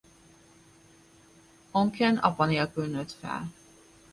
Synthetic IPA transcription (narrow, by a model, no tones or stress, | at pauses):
oŋkʰɛnʔɒ̰pɒniɒkylnøt̪fɛ̰l